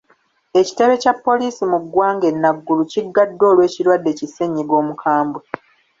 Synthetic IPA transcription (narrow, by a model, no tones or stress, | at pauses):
e̞ci̥te̞βe̞capːo̞liːsimuɡːwaːŋɡe̞nːaɡːuluciɡːadːo̞ːlwe̞ːciɾwadːe̞ciseɲːiɡo̞ːmukʰaːmbwe